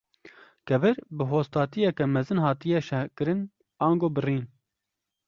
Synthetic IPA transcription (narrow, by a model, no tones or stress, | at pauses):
kɛvɨɾbɨɦoːst̪ɑːt̪ijɛkɛmɛzɨnɦɑːt̪ijɛʃɛkɨɾɨn | ɑːŋɡoːbɨriːn